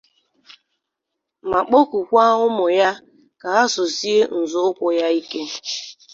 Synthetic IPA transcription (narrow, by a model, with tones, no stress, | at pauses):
ma˨k͡po˦ku˨kʷa˦ʊ˦mʊ˨ja˦ | ka˨ɦa˦sʊ˨si˦e˦n̩˨zʊ˦ʊ˦kʷʊ˦ja˦i˦ke˦